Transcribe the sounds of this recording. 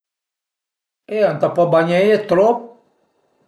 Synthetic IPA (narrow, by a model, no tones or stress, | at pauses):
ean̩t̪ɔpɔbaɲɛ̃et̪lo